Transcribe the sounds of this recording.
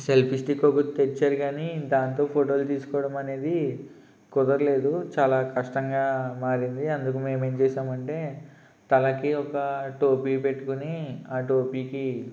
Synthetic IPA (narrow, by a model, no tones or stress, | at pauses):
se̞lpʰisʈikoɡut̪eɾt͡ʃaːɾiɡaːnid̪aːnt̪o̞ːpʰoːʈo̞ːlt̪iːsu̥kɔːʋɐɽɐmɐne̞ːd̪i | kɔd̪ɐɾle̞ːd̪ut͡ʃaːlaːkʰɐʂʈɐŋɡaːmaːɾind̪iɐnd̪ukume̞ːmeːmt͡ʃɛːʃaːmɐɳʈe̞ː | t̪ɐlɐkiɔkɐʈoːpiːpe̞ʈːukuniaːʈoːpiːki